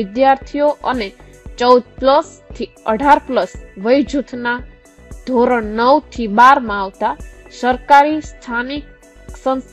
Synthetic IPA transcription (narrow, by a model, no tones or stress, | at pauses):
ɪd̪jaɾt̪ʰijoʔəne | t͡ʃəud̪̚pləst̪ʰiəɖʱaɾpləsʋəjd͡ʒʱut̪ʰna | d̪ʱoɾəɽnəwt̪ʰibaɾmãaʋt̪asəɾkaɾist̪ʰanik | sə̃ns